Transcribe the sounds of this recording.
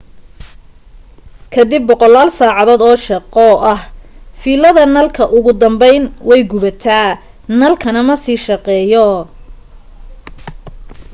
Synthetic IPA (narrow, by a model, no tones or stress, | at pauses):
kʰɐd̪ɪbːɔqɔlaːlsaːʕɑðoːd̪ɔːʃɑqɔʔɐhfiːlɐðɐnɐlkʰɐʔʊɣʊd̪ɐmbɛjnwɛjɡʊβɐt̪ʰaː | nɐlkʰɐnɐmɐsiːʃɐqɛːjɔ